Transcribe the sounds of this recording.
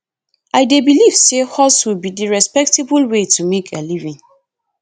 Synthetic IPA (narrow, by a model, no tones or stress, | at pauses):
ʔaɪdebiliv̥sehɔswilbidiɹɛspɛk̚tebulwetʰumekʰalivĩn